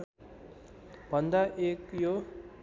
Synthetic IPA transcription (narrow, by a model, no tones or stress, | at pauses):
bʱʌnd̪aʔekjo